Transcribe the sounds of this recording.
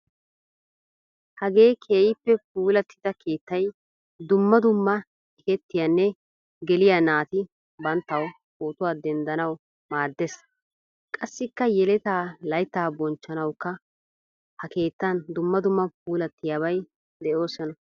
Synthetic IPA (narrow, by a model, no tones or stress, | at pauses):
hɐɡe̞ːkʰe̞ːjɪpːɛpuːlɐt̪ːɪd̪ɐkʰe̞ːt̪ːɐj | d̪ʊmːɐd̪ʊmːɐ | ɛkɛt̪ːɪjɐnːɛ | ɡɛlɪjanaːt̪ɪ | bɐnt̪ːɐw | koːt̪ʊwaːd̪ɛnd̪ɐnɐw | maːɾd̪es | kʼɐsːɪkːɐjɛlɛt̪aːlɐjt̪ːaːbɔnt͡ʃːɐnɐwkːɐ | hɐke̞ːt̪ːɐnd̪ʊmːɐd̪ʊmːɐp̚uːlɐt̪ːɪjaːβɐj | d̪ɛʔo̞ːsɐnɐ